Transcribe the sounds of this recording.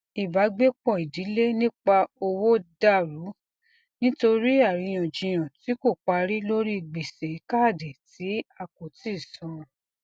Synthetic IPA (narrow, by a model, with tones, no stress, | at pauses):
i˨ba˨˦ɡ͡be˦k͡pɔ˦˨i˨di˨˦le˦nĩ˦k͡pa˧o˧wo˦da˦˨ɾu˨˦ | nĩ˦to˧ɾi˦a˦˨ɾi˨˧j̃ɔ̃˨d͡ʒĩ˧j̃ã˨ti˨˦ko˦˨k͡pa˧ɾi˦lo˦ɾi˦i˧˨ɡ͡be˨se˨˦ka˦˨de˨ti˨˦a˧ko˨ti˦˨sɔ̃˨˧˨